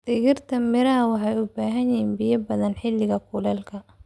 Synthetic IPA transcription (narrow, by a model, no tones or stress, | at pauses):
d̪̥ɪɣɪrt̪ʰɐmɪɾɐwɑħɑjʊbaːɦɐɲɪiːnbɪjɐbɐðɐnħɪlːɪɣɐkʰʊlɛːlkʰɐ